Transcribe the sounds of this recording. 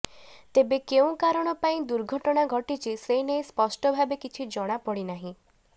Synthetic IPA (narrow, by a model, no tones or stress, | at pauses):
t̪ebekeũkaɾɔɽ̃ɔpaĩd̪uɾɡʱɔʈɔɽ̃aɡʱɔʈit͡ʃʰisejnejspɔsʈɔbʱabekit͡ʃʰid͡ʒɔɽ̃apɔɽinaɦĩ